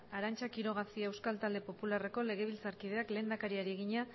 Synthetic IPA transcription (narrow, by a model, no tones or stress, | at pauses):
aɾant͡ʃakiɾo̞ɣ̞asiaewskalt̪ald̪e̞po̞pulare̞ko̞le̞ɣ̞e̞β̞ilt͡saɾkið̞e̞akle̞ːnd̪akaɾiaɾie̞ɣ̞iɲa